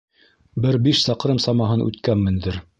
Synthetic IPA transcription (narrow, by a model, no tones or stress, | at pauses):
bɘɾbiʃsɑqɾɤmsɑmɑɦɤnʔʉ̰t̪kænːɘ̆nd̪ɘɾ